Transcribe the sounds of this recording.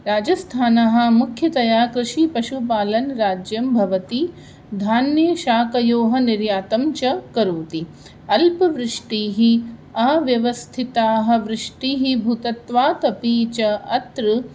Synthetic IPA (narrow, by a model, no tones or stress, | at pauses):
ɾaːd͡ʒɐst̪ʰaːnɐɦɐ̆mukʰjɐt̪ɐjaːkɾɪʃipɐʃupaːlɐnɾaːd͡ʒjɐmbʱɐʋɐt̪i | d̪ʱaːnjeʃaːkɐjoːɦɐniɾjaːt̪ɐmt͡ʃɐkɐɾuːt̪i | ɐlpɐʋɾɪʂʈiːɦiɐʋjɐʋɐst̪ʰit̪aːɦɐ̆ʋɾɪʂʈiːɦibʱut̪ɐt̪ʋaːt̪ɐpiːt͡ʃɐɐt̪ɾɨ